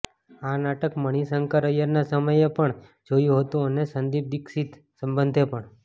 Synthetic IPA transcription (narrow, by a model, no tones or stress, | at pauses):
anaʈəkməɽ̃isəŋkaɾəjəɾnasəməjepəɳd͡ʒojũɦət̪ũənesənd̪ib̚d̪iksit̪ | sə̃mbənd̪ʱepəɳ